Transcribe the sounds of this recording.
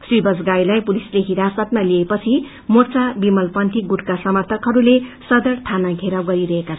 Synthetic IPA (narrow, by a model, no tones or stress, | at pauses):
swibʌd͡zɡajlajpulisleɦiɾasʌt̪maliepʌt͡sʰi | mort͡sabimʌlpʌnt̪ʰiɡuʈkasʌmʌrt̪ʰʌkɦʌɾulesʌd̪ʌrt̪ʰanaɡʱeɾʌɡʌɾiɾʌɦeka